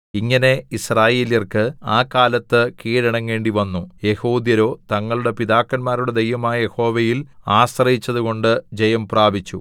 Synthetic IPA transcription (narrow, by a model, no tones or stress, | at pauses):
iŋːɐne̞israːjeːljɐrkɨaːkːaːlɐt̪ːɨkiːɾɐɳɐŋke̞ːɳɖiʋɐnːuje̞hoːd̪jɐɾo̞ːt̪ɐŋːɐɭuɽe̞piðaːkːɐnmaːɾuɽe̞d̪ejʋɐmaːjɐje̞ho̞ːʋejilaːsrɐjit͡ɕːɐðuɣo̞ɳɖɨd͡ʑejɐmpraːbʱit͡ɕːu